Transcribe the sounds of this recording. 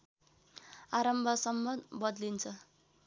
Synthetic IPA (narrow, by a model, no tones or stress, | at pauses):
aɾʌmbʱʌsʌmːʌbʌd̪lint͡sʰʌ